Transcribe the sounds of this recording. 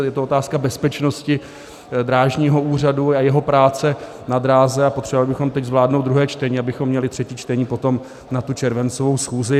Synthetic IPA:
jɛt̪oot̪aːskabɛspɛt͡ʃno̞scɪ | d̪ɾaːʒɲiːɦo̞ʔuːr̝aduajɛɦopɾaːt͡sɛ | nad̪ɾaːzɛapo̞t̪r̥ɛvovalɪbɪxo̞mt̪ɛczvlaːdnowt̪d̪ɾuɦɛːt͡ʃt̪ɛɲiːabɪxomːɲɛlɪt̪r̥ɛciːt͡ʃt̪ɛɲiːpo̞t̪o̞m | nat̪ut͡ʃɛɾvɛnt͡sovowsxuːzɪ

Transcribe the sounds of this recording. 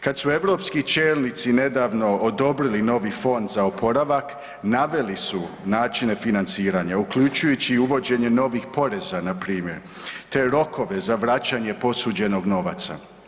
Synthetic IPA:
kad̪sue̞ʋɾo̞ːpskit͡ʃe̞ːlnit̪sine̞d̪aːʋno̞od̪o̞bɾilino̞ʋifo̞nd̪zaopʰo̞ɾaʋak | naʋe̞lisunaːt͡ʃine̞finant̪siːɾaːɲaukʎut͡ʃujut͡ɕiuʋo̞d͡ʑe̞ɲe̞no̞ʋixpo̞ɾe̞zanapɾiːmje̞ɾ | t̪e̞ɾo̞kʰo̞ʋe̞zaʋɾat͡ɕaɲe̞po̞suːd͡ʑe̞no̞ɡno̞ʋa̰t̪sa̰

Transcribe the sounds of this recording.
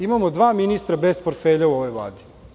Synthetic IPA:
imamod̪ʋaːminist̪ɾabespoɾt̪feːʎauoʋo̞jʋlˠa̰ːd̪i̥

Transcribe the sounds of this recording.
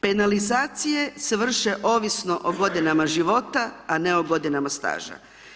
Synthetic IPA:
pe̞nalizaːt̪sije̞seʋr̩ʃe̞ʔo̞ːʋisno̞ʔoɡo̞d̪inamaʒiʋo̞t̪aaneo̞ɡo̞d̪inamast̪a̰ːʒa̰

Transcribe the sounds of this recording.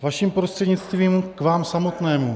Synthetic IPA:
vaʃimpɾo̞st̪r̥ɛdɲɪt͡st̪viːmkvaːmsamo̞t̪nɛːmu

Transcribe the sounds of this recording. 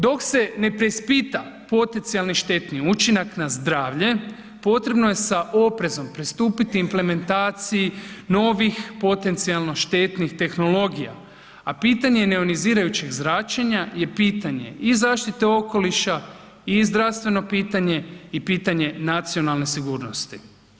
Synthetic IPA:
d̪o̞kse̞ne̞pɾe̞ispit̪apo̞t̪e̞nt̪sialˠniʃt̪e̞t̪niut͡ʃinaknazd̪ɾaːʋʎe̞ | po̞t̪ɾe̞bno̞je̞saʔo̞pɾe̞zo̞mpɾist̪uːpit̪iːmple̞me̞nt̪aːt̪sijino̞ʋixpo̞t̪e̞nt̪sialˠno̞ʃt̪e̞t̪nixt̪e̞xno̞lo̞ɡija̰ | apit̪aɲe̞ne̞oniziːɾajut͡ɕe̞ɡzɾaːt͡ʃeɲaje̞piːt̪aɲe̞̰ʔizaːʃt̪it̪eo̞ko̞liʃa | izd̪ɾaʋst̪ʋe̞no̞piːt̪aɲe̞ipiːt̪aɲe̞nat̪sio̞nalˠne̞siɡuːɾno̞st̪i

